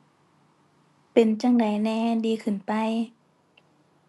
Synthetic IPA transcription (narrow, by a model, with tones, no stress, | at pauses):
pe˨nt͡ɕa˧ŋda˨˦jnɛː˧˦diː˧kʰɯ˨˧˩npa˧j